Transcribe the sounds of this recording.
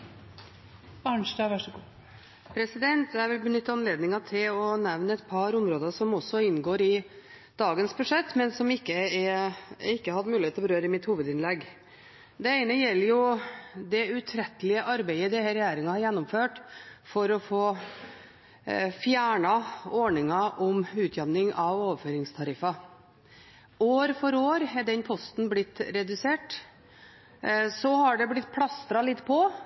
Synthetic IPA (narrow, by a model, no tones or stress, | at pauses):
ɑɳʂdɑʋæʂəɡuː | pʰɾɛsɪd̪ɛnt̪æɾʋɪlbənʏt̪ːɑnleːd̪nɪŋɑt̪ʰɪlɔnɛʋnəɛt̪pʰɑɾʊmɾoːd̪əʂɔmɔsɔɪnːɡoːɾɪ | d̪̥ɑːɡənsbʉʂɛt̪ːmɛnsɔmɪkːəɛɪkːəhɑd̪mʉːlɪeːt̪ːbəɾøːɾəɪmɪt̪huːʋəd̪ɪnlɛɡː | d̪ɛeɪnəjɛlːəɾjʊd̪ɛʉt̪ʰɾɛt̪ːəlɪəʔɑɾbɛɪəd̪ɛhəɾɛjæːɾɪŋɑhɑɾjɛnːɔmføːʈfɔɾɔfoː | fjæːɳɑɔɳɪŋɑʔɔmʉːt̪ʰjɛʋnɪŋɑʋoːʋəføːɾɪŋst̪ʰɑɾɪfɑ | oːɾfɔɾoːɾɛɖ̪ɛnpʰɔst̪n̩blɪt̪ːɾɛd̪ʉseːʈ | sɔhɑɖɛblɪt̪̚ːpʰlɑst̪ɾɑlɪt̪ːpʰɔ